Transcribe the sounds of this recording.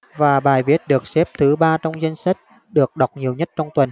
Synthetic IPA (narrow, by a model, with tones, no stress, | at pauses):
vaː˨˩ɓaː˨˩jvi˦˥ət̚ɗɨ˨˩ək̚sɛ˦˥p̚t̪ʰɨ˨˦ɓaː˧t͡ɕɔ˧wŋ͡mza˧jŋ̟sa˦˥k̚ | ɗɨ˨˩ək̚ɗa˨˩wk͡p̚ɲi˨˩əwɲə˦˥t̚t͡ɕɔ˧wŋ͡mt̪wə˨˩n